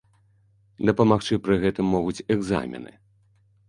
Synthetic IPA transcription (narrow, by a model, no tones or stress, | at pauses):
d̪ɐpɐmaxt͡ʂɨpɾɨɣɛt̪ɨmːɔɣut͡sʲɛɡza̰mʲɛ̰nɨ̰